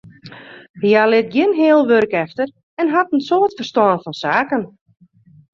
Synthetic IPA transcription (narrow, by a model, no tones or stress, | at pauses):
jalɪt̚ɡjɪnɦɪəlˠʋørkɛftər | ɛnɦatn̩soːtfərstɔːnfɔnsaːkən